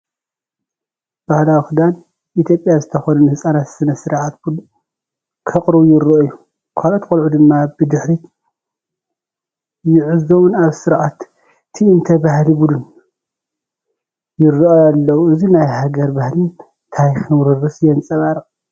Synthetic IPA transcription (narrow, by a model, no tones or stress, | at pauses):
b̥ahlawxud̪an | ʔit̪ʰjo̞pʼjazɨt̪ʰɐxonunhɨsʼanat̪sɨnɐsɨɾʕat̪̚bud̪un | kʰɐqʼɾɨβujɪɾoʔojːu | kʰalot̪kʼolʕud̪ɨmːabɨd̪ɨħɾi | jɪʕɨzo̞wunaβsɨɾʕat̪ːʰ | iɨnt̪ʰɐbahlibud̪un | jɪrːɨʔoalːɐwuɨzinajhaɡɐɾbahlɨn | t̪ʰajxɨmɾɨrɨsjɛnt͡sʼɐβaɾɐ